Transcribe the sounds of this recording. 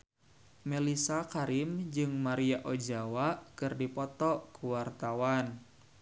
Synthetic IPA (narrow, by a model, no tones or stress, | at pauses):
melisakaɾimd͡ʒɨŋmaɾiaʔod͡ʒawakɨrdipɔt̪ɔkuwart̪awan